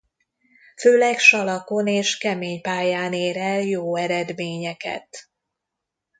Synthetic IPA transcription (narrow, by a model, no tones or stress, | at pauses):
føːlɛkʃɒlɒko̞neːʃkɛmeːɲpaːjaːneːɾɛljoːɛɾɛd̪meːɲɛkɛ̰t̪